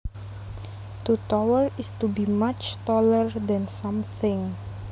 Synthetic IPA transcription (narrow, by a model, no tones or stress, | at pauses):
t̪utɔwəɹɪstubimat͡ʃt̪ɔləɹdɛ̃nsãmθɪ̃ŋ